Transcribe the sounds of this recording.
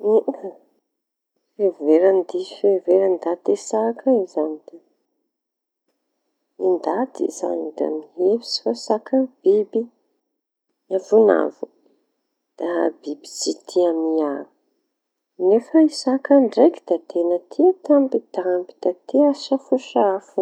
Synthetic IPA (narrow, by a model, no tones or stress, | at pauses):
feveɾand̪ifeveɾand̪at̪esakʰəizanit̪en | ind̪at̪ḭza̰nid̪a̰miɦevi̥si̥fasakʰəb̥ibi | avuna̰vu | d̪̥abibi̥sit̪ʰiamiavu̥ | nefəisakaɳɖ͡ʐeki̥d̪̥at̪enət̪ʰit̪ambid̪ambi̥d̪̥at̪iasəfuʃaafu